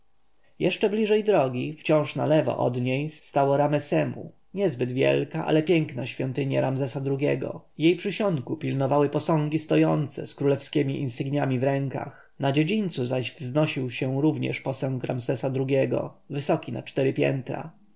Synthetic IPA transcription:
jɛʂt͡ʂɛblʲiʐɛjd̪ɾɔɡʲift͡ɕɔ̃w̃ʂnalɛvɔ̰ʔɔ̰d̪ɲejsːt̪awɔɾamɛsɛmṵ | ɲɛzbɘd̪vʲjɛ̰lkaʔa̰lɛpʲjɛŋknaɕfʲjɔnt̪ɘɲɛɾamzɛsad̪ɾuɡʲjɛɡɔ̰jejpʂɘɕɔŋkupʲilnɔvawɘpɔsɔ̃ŋɡʲist̪ɔjɔnt̪sɛ̰skɾulɛfskʲɛmʲiʔḭnsɘɡɲamʲivɾɛŋka̰x | nad͡ʑed͡ʑint̪suzaʑvznɔɕiwɕɛɾuvɲɛ̰ʂpɔsɔ̃ŋkɾa̰mzɛsad̪ɾuɡʲɛɡɔ̰vɘsɔkʲinat͡ʂt̪ɛɾɘpʲjɛ̰nt̪ɾa̰

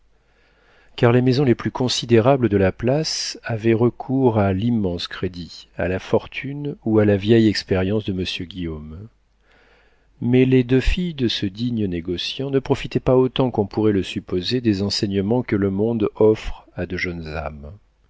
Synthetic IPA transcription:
kaʁlemezɔ̃leplykʰɔ̃sid̪eʁabləd̪əlaplasavɛʁəkʰuʁalimːɑ̃skχed̪ia̰lafɔʁt̪ʰynualavjɛjɛkspɛʁjɑ̃sd̪əməsjøɡʲijom | mɛled̪øfijd̪əsəd̪iɲəneɡɔsjɑ̃nəpχɔfit̪ɛpaot̪ɑ̃kɔ̃puʁɛləsypozed̪ezɑ̃sɛɲəmɑ̃kələmɔ̃d̪ɔfχad̪əʒœnza̰m

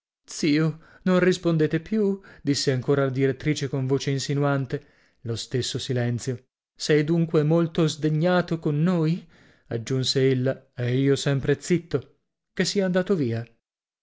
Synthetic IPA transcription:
t̪siːo | nõnrispond̪eːt̪epjud̪isːeaŋkoːɾalad̪iɾet̪ːɾiːt͡ʃekoɱvoːt͡ʃeinsinuant̪e | lost̪esːosilɛnt̪sjo | sɛjd̪uŋkwemolt̪ozd̪eɲːaːt̪okonːoːj | ad͡ʒːunseelːaeiːosɛmpɾet̪sit̪ːo | kesːiːaand̪aːt̪oviːa

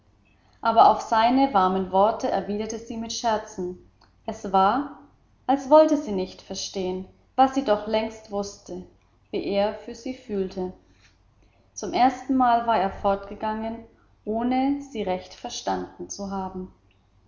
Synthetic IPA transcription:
ʔaːbɐʔaʊfz̥aɪnəvaɐmənvɔɐtʰəʔɛɐviːdɐtəziːmɪtʃɛɐt͡sn̩ | ʔɛsv̥aːɐ | ʔalsv̥ɔltəziːnɪçtfɛɐʃteːən | vasz̥iːdɔχlɛŋstv̥ʊstə | vḭːʔeːɐfyːɐziːfyːltʰə | t͡sʊmʔeːɐstn̩maːlvaːɐeːɐfɔɐtɡ̥əɡaŋən | ʔoːnəz̥iːʁɛçtfɛɐʃtandn̩t͡suɦaːbm̩

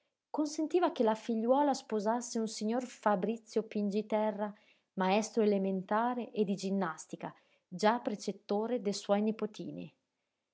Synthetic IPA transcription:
konsent̪iːvakelafiʎːwɔːlaspozasːeunsiɲːorfabɾit̪sːjopind͡ʒit̪ɛrːa | maɛst̪ɾoelement̪aːɾeʔed̪id͡ʒinːast̪ika̰ | d͡ʒapɾet͡ʃet̪ːoːɾed̪eswɔjnipot̪ʰḭːnḭ

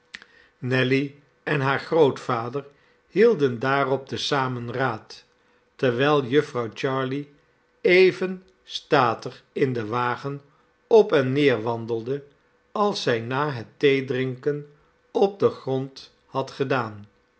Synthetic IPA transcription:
nɛli | ɛnɦaːɹχrowtfaːdəɹ | hilˠdəndaːrɔp̚dəsaːmənraːtː | əɹʋɛjlˠjɵfrɑwt͡ʃɑːɹli | ejvən | staːtəχɪndəʋaːχən | ɔpɛnːɪːɹʋɑndəlˠdə | ɑlˠsɛjnaːɦətejdrɪŋkən | ɔb̚dəχrɔnt | hɑtχədaːn

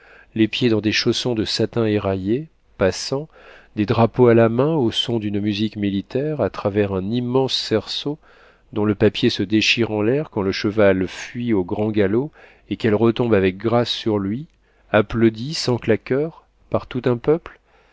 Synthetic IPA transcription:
lepjed̪ɑ̃d̪eʃosɔ̃d̪əsat̪ɛ̃eʁaje | pasɑ̃ | d̪ed̪ʁapoalamɛ̃osɔ̃d̪ynmyzikmilit̪ɛʁat̪χavɛʁɛ̃nimːɑ̃sːɛʁso | d̪ɔ̃ləpapjesəd̪eʃiʁɑ̃lɛʁkɑ̃ləʃəvalfɥioɡʁɑ̃ɡalo | ekɛlʁət̪ɔ̃bavɛk̚ɡʁasːyʁlɥi | aplod̪isɑ̃klakʲœʁ | paʁt̪ut̪ɛ̃pœpl

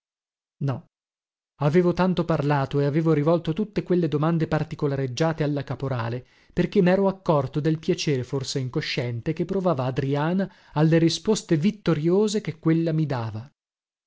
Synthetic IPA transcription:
nɔ | aveːvot̪ant̪oparlaːt̪oeaveːvoɾivɔlt̪ot̪ut̪ːekwelːed̪omand̪epart̪ikolaɾed͡ʒːaːt̪ealːakapoɾaːle | perk̟emɛːɾoakːɔrt̪od̪elpjat͡ʃeːɾeforseiŋkoʃːɛnt̪ek̟epːɾovaːvaːd̪ɾiaːnaː | lːeɾispost̪evit̪ːoɾjoːzek̟ekːwelːamid̪aːva

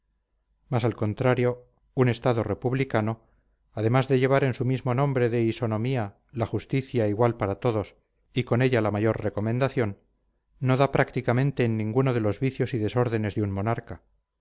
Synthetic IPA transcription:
masalko̞nt̪ɾaɾjo̞ | une̞st̪aðore̞puβlikano̞ | aðe̞mazðe̞ʎe̞β̞aɾe̞nsumizmo̞nõ̞mbɾe̞ðe̞iso̞nõ̞mia | laxust̪iθjaiɣwalpaɾat̪o̞ðo̞s | iko̞ne̞ʎalamaʝo̞ɾre̞ko̞mẽnd̪aθjo̞nː | o̞ðapɾʔakt̪ikamẽ̞nt̪e̞ːnːĩŋɡuno̞ðe̞lo̞zβiθjo̞siðe̞so̞ɾðe̞ne̞zðeunmo̞naɾka

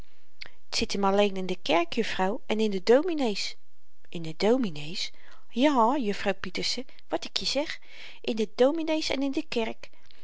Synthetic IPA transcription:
tsɪtəmɑlejnɪndəkɛɹkjɵfrɔwɛnɪndədowminejs | ʔɪndədowminejs | jaːjɵfrɔwpitəɹsə | ʋɑtɪkʰjəz̥ɛχ | ʔɪndədowminejsɛ̰nɪndəkɛɹk

